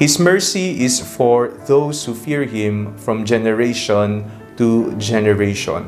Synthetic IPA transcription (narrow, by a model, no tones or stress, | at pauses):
hismɜɹsiɪsfɔɹðoʊshufiɹhĩmfɹɔ̃md͡ʒɛnəɹeʃɔ̃n | tud͡ʒɛnəɹeʃɔ̰̃n